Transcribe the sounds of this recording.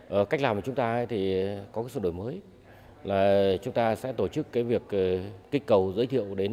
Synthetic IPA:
ʔəː˨˩kk̚laː˨˩mkːaː˨˩t͡ɕʊ˨˦ŋ͡mt̪aː˧˨˦jt̪ʰi˨˩kɔ˨˦kaː˨˦sɨ̰˧˨ɗo˨˩jməː˨˦j | laː˨˩t͡ɕʊ˨˦ŋ͡mt̪aː˧sɛ̰˧˥t̪o˧˩t͡ɕɨ˦˥kːaː˨˦jvi˨˩ək̚ʔəː˨˩ï˦˥k̟̚kə˨˩wzə̰ː˧˥jt̪ʰḭ˧˨ə˨wɗe˨˦n

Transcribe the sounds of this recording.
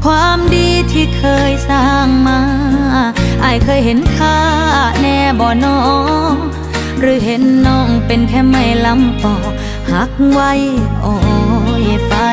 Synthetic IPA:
kʰwaː˧˥mdiː˧t̪ʰiː˧˩kʰɤː˧jsaː˧˩ŋmaː˧ | ʔa˧˩jkʰɤː˧˨jɦe˨˦nkʰaː˧˩˨nɛː˧˩bɔː˧˩nɔː˧˦ | ɾɯː˨˦ɦe˨˦nːɔː˧˩ŋpe˧nt̪ʰɛː˧˩ma˧˩jla˧˥mpɔː˨˩ | ha˨˦k̚wa˧˥˩jʔɔ˧˩˧jfa˧˦

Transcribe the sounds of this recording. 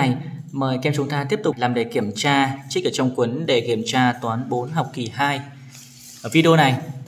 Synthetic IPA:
jməː˨˩jkɛ˧mt͡ɕʊ˨˦ŋ͡mt̪aː˧t̪i˦˥əp̚t̪ʊ˨˩k͡p̚laː˨˩mɗe˧˩ki˧˩əmt͡ɕaː˧t͡ɕ̚ʔəː˧˩t͡ɕɔ˧wŋ͡mkwə˨˦nɗe˧˩ki˧˩əmt͡ɕaː˧t̪waː˨˦nɓo˨˦nɦa˨˩wk͡p̚ki˧˨˩haː˧j | ʔəː˧˩vi˧ɗi˧o˧na˨˩j

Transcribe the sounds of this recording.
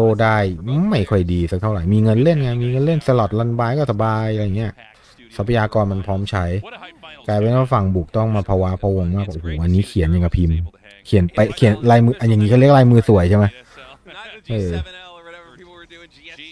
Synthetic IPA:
oː˧˩daː˥˩jma˥˩jkʰɔ˧˥˩jdiː˧sa˧˦k̚t̪ʰa˥˩wɾa˨˩˦jmiː˧ŋɤ˧nle˥˩nŋa˧˩miː˧ŋɤ˧nle˥˩nsa˧lɔ˨˩t̪̚la˧nbaː˧jkɔː˥˩sa˧baː˧jʔja˨˩ŋːi˦˥ɐ˨˩ | sa˧˦pʰa˧jaː˧kɔː˧nma˧npʰɔː˦˥mt͡ɕʰa˦˥jkaː˧jpe˧naː˥˩fa˨˩ŋbuː˨˩k̚t̪ɔ˥˩ŋmaː˧pʰa˧wa˦˥pʰɔ˧wo˧ŋmaː˥˩k̚a˧˩ʔhuː˨˩ʔa˧nːiː˦˥kʰi˨˩˦nja˧˩ka˧˩pʰi˧m | kʰi˨˩˦npa˧jkʰi˨˩˦nlaː˧jmɯː˧ʔa˧˩ja˨˩ŋiː˧˦˥kʰːk̚laː˧jmɯː˧su˨˩əjt͡ɕʰa˥˩ma˦˥j | ʔɤː˧

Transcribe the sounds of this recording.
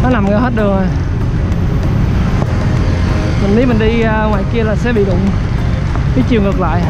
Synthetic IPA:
nɔ˨˦na˨˩mŋə˨˧˨whe˦˥t̚ɗɨ˨˩əŋo˨˩j | mi˨˩ŋɗmï˨˩ŋ̟ɗi˧ŋwaː˧˨jki˧əlaː˨˩sɛ̰˧˥ɓḭ˧˨ɗʊ̰˧˨wŋ͡m | ɓi˨˦t͡ɕi˨˩əwŋɨ˨˩ək̚la̰ː˧˨j

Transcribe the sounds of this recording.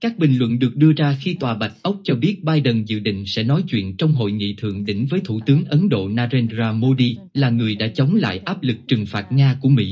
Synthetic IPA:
kaː˦˥k̚ɓï˨˩ŋ̟lwə̰˧˨nɗɨ˨˩ək̚ɗɨ˧əzaː˧xi˧t̪waː˨˩ɓa˨˩jk̚ʔə˦˥wk͡p̚t͡ɕɔ˧ɓi˦˥ət̚ɓaː˧jɗə˨˩nzɨ̰˧˨ɗḭ̈˧˨ŋ̟sɛ̰˧˥nɔ˨˦jt͡ɕwḭ˧˨ənt͡ɕɔ˧wŋ͡mɦo̰˧˨jŋḭ˧˨t̪ʰɨ̰˧˨əŋɗḭ˧˥ŋ̟vəː˨˦jt̪ʰu˧˩t̪ɨ˨˦əŋʔə˨˦nɗo̰˧˨naː˧zɛ˧nzaː˧mo˧ɗi˧laː˨˩ŋɨ˨˩əjɗa̰ː˧˥t͡ɕə˨˦wŋ͡mla̰ː˧˨jʔaː˦˥p̚lɨ˨˩k̚t͡ɕɨ˨˩ŋfaː˨˩t̚ŋaː˧ku˧˩əmḭ˧˥

